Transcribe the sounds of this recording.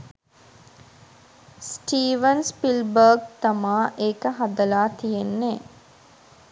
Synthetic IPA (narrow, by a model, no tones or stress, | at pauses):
sʈiːʋənspilbəːɡ̚t̪amaːʔeːkəɦad̪əlaːt̪ijenːeː